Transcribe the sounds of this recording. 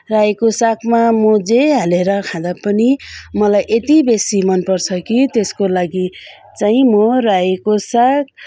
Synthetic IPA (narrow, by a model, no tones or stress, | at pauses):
rajkosakmamod͡zeɦaleɾʌkʰãd̪apʌnimʌlajʔet̪ibesimʌnpʌrt͡sʰʌkit̪eskolaɡi | t͡saĩmorajkosak̚